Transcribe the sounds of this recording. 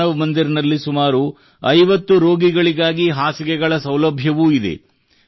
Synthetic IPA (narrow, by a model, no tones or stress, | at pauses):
ɐʋɐmɐnd̪iɾnɐlːisumaːɾu | ɐjʋɐt̪ːuɾo̞ːɡiɡɐɭiɡaːɡiɦaːsikɛɡɐɭɐsɐwlɐbʱjɐʋuːid̪ḛ